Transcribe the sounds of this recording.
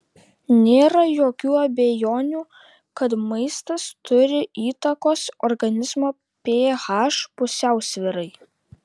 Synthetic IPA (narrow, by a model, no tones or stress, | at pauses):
nʲeːɾɐjoːkʲuːɐbʲejoːnʲuː | kɐt̪mɐɪst̪ɐst̪ʊɾʲɪiːt̪ɐkoːsɔɾɡɐnʲɪzmoː | pʲeːɣɑːʃpʊsʲæˑʊsʲʋʲɪɾɐɪ